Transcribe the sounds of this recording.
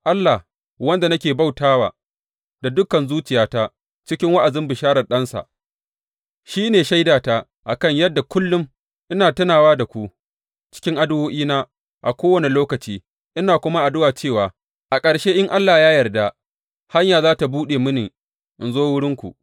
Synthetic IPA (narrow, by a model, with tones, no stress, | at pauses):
ʔa˦lːa˨h | wɐ˦nda˨nɐ˦kʲeː˨ba˦˨wtaː˦wa̰ː˨ | da˨dʊ˦kɐ˨nzuː˦t͡ʃɪ˨jaː˦taː˦ | t͡ʃɪ˦kʲɪ˦ŋwa˦ʔa˨zɪ˦mbɪ˨ʃaː˦ɽɐ˨ɗɐ˦nsa̰˨ʔ | ʃiː˦neː˨ʃa˦jdaː˨ta˦ | ʔa˨kɐ˦˨ɲjɐ˦dːa˨kʷʊ˦lːʊ˦m | ʔɪ˦naː˨tɐ˦naː˨waː˦da˨kʷu˦ | t͡ʃɪ̥˦kʲɪ˦ŋʔa˦dʊ˦woː˦ʔiː˦naː˦ | ʔa˨kʷoː˦wɐ˨ni˨loː˦kɐ˨t͡ʃiː˦ | ʔɪ˦naː˨kʷʊ˦ma˦ʔa˨dʊ˦waː˨t͡ʃeː˦˨waː˨ | ʔa˨kʼɐ˨ɽʃeː˦ʔɪ˦ŋʔa˦lːa˨hjaː˦jɐ˨rda˦ | ha˦ɲjaː˨zaː˦ta˨buː˦ɗeː˨mʊ˦ni˨ | ʔɪ˨nzoː˦wʊ˦ɽɪ˦ŋkʷṵ˨ʔ